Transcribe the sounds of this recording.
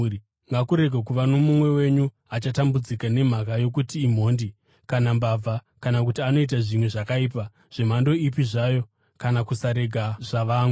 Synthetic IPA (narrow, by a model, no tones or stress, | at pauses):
ŋɡakuɾe̞ɡʱakuʋano̞mumwe̞we̞ɲu | at͡ʃatambud͡zikane̞m̤akajo̞k̬utiːm̤o̞ːndi | kanambab͡va | kanak̬utiano̞it̬aʐimwe̞ʐakaiːp̬a | ʐ̥e̞m̤ando̞ipiʐajo̞ | kanakusaɾe̞ɡʱaʐaʋaːŋw